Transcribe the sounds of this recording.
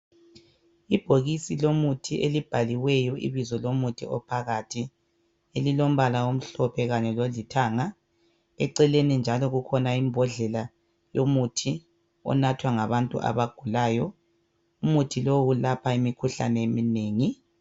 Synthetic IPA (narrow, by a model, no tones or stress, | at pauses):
ib̥ʱoɣisilomutʰiʔelib̥ʱaliwɛjɔʔḭβizɔlomutʰḭɔ̰pʰaɣatʰi | elilom̩βalawom̩ɬɔpʰɛɣaɲɛlolitʰaːŋa | ɛǀɛlenind͡ʒʱalɔɣukʰɔnaimbʱɔɮɛla | jomutʰi | ɔ̰natʰwaŋaβantʼṵʔa̰βaɡ̥ʱulaːjɔ | umutʰilowulapʰaimikʰuɬa̰nɛemineːŋi